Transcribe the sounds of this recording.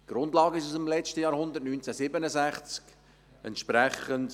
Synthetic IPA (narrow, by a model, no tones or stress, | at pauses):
ɡ̥ɾʊndlɑːɡəɪʃusɪmlɛt͡ʃtəjɑːɾhʊndərtnyːnt͡sæsɪbənəzæχt͡sk | ɛntʃpɾɛχənt